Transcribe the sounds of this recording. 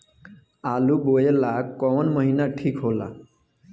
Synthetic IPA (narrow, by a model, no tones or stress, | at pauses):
alubojelakkːɔɔnmɔɦinaʈʰikɦola̰